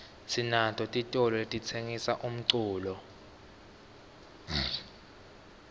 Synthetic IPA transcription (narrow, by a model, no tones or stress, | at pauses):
sinatʰʼɔtʼitʼɔlɔetʼit͡sʰeŋisaʔum̩ǀuːlɔ